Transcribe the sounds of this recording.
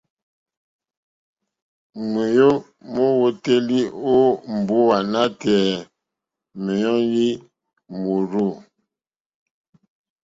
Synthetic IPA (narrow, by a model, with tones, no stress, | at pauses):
ŋe˨jo˦ | mo˦wo˦te˦li˦o˦m̩˨bo˦wa˨na˦tɛ˨ | me˨jɔ˦ŋji˦ | mo˨ɾo˦˨